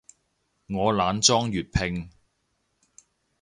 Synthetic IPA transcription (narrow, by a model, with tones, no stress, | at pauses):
ŋɔː˨˧laː˨˧nt͡ʃt͡sɔː˥ŋjyː˨t̚pʰɪ˧ŋ